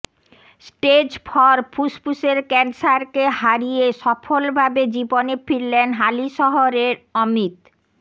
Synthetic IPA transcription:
sʈed͡ʑpʰɔɾpʰuspuseɾkɛnsaɾkeɦaɾieʃɔfolbʱabed͡ʑibonefʰiɾlenɦaliʃɔɦoɾeɾomit̪

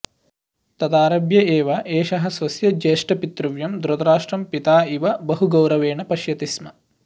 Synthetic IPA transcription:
t̪ɐd̪aːɾɐbjɐeːʋɐʔeːʃɐɦɐsʋɐsjɐd͡ʒeːʂʈɐpit̪ɾuʋjɐmd̪uɾɐt̪ɐɾaːʂʈɾɐmpit̪aːiʋɐbɐɦuɡɐwɾɐʋeːɳɐpɐʃjɐt̪ismɐ

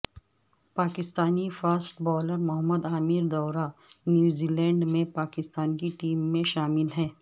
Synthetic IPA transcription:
paːkɪst̪aːnifaːsʈbɔːləɾmʊɦəmːəd̪aːmiɾd̪ɔːɾanjuːziːlɛ̃ːɳɖmẽpaːkɪst̪aːnkiʈiːmːẽʃaːmɪlɦɛː

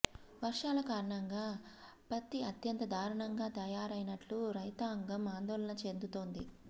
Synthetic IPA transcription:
ʋɐɾʂaːlɐkaːɾɐɳɐŋɡaː | pɐt̪ːiɐt̪jɐnt̪ɐd̪ʱaːɾɐɳɐŋɡaːt̪ɐjaːɾɐjnɐʈluɾɐjt̪aːŋɡɐmaːnd̪ɔːlɐnɐt͡ʃe̞nd̪ut̪o̞ːnd̪i

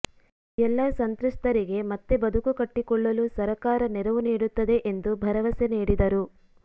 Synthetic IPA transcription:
ɛlːɐsɐnt̪ɾuʂt̪ɐɾiɡe̞mɐt̪ːe̞bɐd̪ʱukukɐʈːikɔɭːɐlusɐɾɐkaːɾɐnɛɾɐʋuniːɽut̪ːɐd̪e̞ʔend̪ubʱɐɾɐʋɐseniːɽid̪ɐɾu

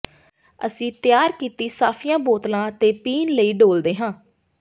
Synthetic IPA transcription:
ə̰sĩːt̪ɪjaːɾkiːt̪iːsaːpʰɪjãːboːt̪lãːt̪eːpiːnləiːɖoːld̪eːɦãː

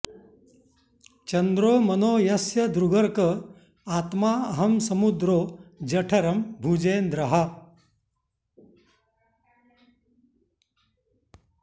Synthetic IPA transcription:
t͡ʃɐnd̪ɾoːmɐnoːjɐsjɐd̪ɾuɡɐɾkɐ | aːt̪maːɐɦɐmsɐmud̪ɾoːd͡ʒɐʈʰɐɾɐmbʱud͡ʒeːnd̪ɾɐɦɐ

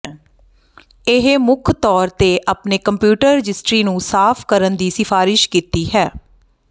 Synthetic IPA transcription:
ɪɦmʊkʰt̪ɔːɾt̪eːʔaːpneːkəmpjuːʈəɾːɪd͡ʒɪsʈɾiːnũːsaːpʰkəɾənd̪iːsɪfʰaːɾɪʃkiːt̪iːɦɛː

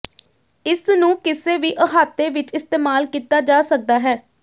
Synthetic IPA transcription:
ɪsnũːkɪseːʋiːʔəɦaːt̪eːʋɪt͡ʃɪst̪eːmaːlkiːt̪aːd͡ʒaːsək̚d̪aːɦɛː

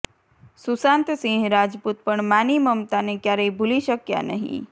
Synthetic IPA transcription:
susãnt̪sĩɦɾad͡ʒput̪̚pəɳmaniməmt̪anekjaɾəjbʱuliʃəkja̰nəɦḭ̃

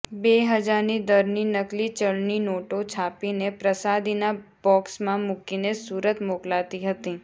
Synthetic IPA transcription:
beɦəd͡ʒaɾnid̪əɾninəklit͡ʃəɭninoʈõt͡ʃʰapinepɾəsad̪inabɔksmãmʊkinesuɾət̪moklat̪iɦət̪ĩ

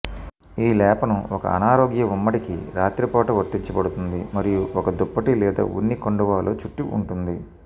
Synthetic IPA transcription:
iːlɛːpɐnuɔkɐ̰ɐ̰naːɾoːɡjɐumːɐʈikḭɾaːt̪ɾipɔːʈɐʋɐɾt̪ːiɲt͡ʃɐbɐɽut̪und̪imɐɾijuɔkɐd̪ɔpːɐʈilɛːd̪a̰ːṵnːikoɳɖɐʋaːloːt͡ʃuʈːiʔṵɳʈund̪i

